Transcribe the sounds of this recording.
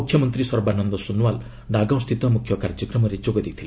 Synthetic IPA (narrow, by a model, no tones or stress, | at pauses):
ukʰjɔmɔnt̪ɾisɔɾbanɔnd̪ɔsunwal | ɖaɡɔ̃w̃st̪ʰit̪ɔmukʰjɔkaɾd͡ʒɔkɾɔmɔɾed͡ʒoɡɔd̪ik̚t̪ʰile